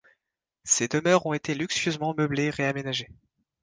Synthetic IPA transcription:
sed̪əmœʁɔ̃et̪elyksjøzmɑ̃mœbleʁeamenaʒe

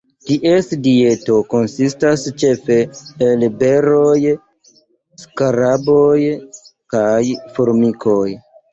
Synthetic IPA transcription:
tiʔe̞sdie̞to̞ko̞nsistast͡ʃe̞fe̞ːlbe̞ɾo̞j | skaɾabojkajfoɾmikʰo̞j

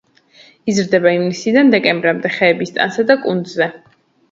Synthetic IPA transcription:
izɾd̪ɛbaimnisid̪and̪ɛkʼɛmbɾamd̪ɛχɛːbist̪ʼa̰nsad̪akʼund̪zɛ

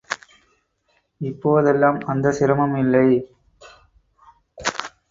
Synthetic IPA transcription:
ɪpːoːðɛlːaːmɐnd̪ɐsɪɾɐmɐmɪlːɐɪ

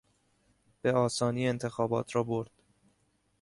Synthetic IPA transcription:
b̥eɒːsɒːniːent̪ʰe̞xɒːbɒːt̪ʰɾɒːboɾd̪̥

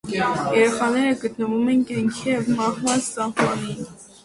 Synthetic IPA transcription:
jɛɾɛχɑnɛɾəɡət̪nəvumɛnkɑŋkʰijɛvmɑhmɑnst͡sɑhmɑnin

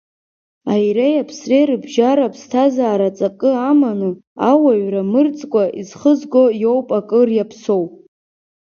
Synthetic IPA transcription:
ajɾejapʰsrerɨbʒaɾapʰstʰazaːɾat͡sʼakʼɨamanuawaɥramɨrt͡sʼkʷʼaʔizχəzɡʷo̞jo̞wpʼakʼɨrjapʰso̞wʼ

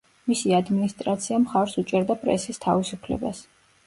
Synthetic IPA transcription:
misiad̪minist̪ʼɾat̪sʰiamχaɾsut͡ʃʼɛɾd̪apʼɾɛ̰sist̪ʰavisupʰlɛ̰ba̰s

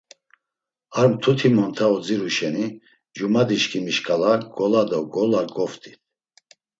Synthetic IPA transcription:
aɾmt̪ʰut̪ʰimɔnt̪ʰaɔd͡ziɾuʃɛni | d͡ʒumad̪iʃkʰimiʃkʼalaɡ̥ɔlad̪ɔɡɔlaɡɔft̪ʼi̥t̪ʰ

